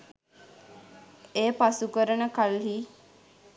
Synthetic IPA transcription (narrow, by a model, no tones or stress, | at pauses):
eːpasukəɾənəkalɦiː